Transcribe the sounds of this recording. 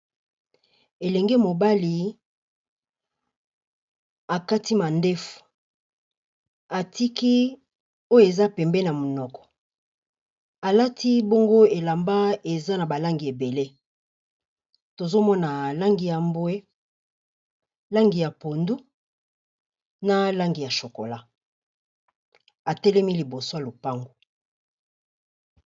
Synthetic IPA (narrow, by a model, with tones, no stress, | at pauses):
e˨lɛ˨ŋɡe˦mo˨ba˦li˨ | a˨ka˦ti˦ma˨nde˦fu̥˨ | a˨tʰi˦ki˦ | o˦jo˨e˨za˦pɛ˨mbɛ˦na˨mo˨nɔ˨kɔ̥˨ | a˨la˦tʰi˦bo˦ŋɡo˦e˨la˨mba˦e˨za˦na˨ba˨la˦ŋɡi˨e˨be˨le˦ | to˨zo˦mɔ˦na˨la˦ŋɡi˨ja˨mbwe˦ | la˦ŋɡi˨ja˨po˨ndu˦ | na˦la˦ŋɡi˨ja˨ʃo˨ko˨la˦ | a˨tɛ˦lɛ˦mi˦li˨bo˨so˦a˨lo˨pa˦ŋɡo˨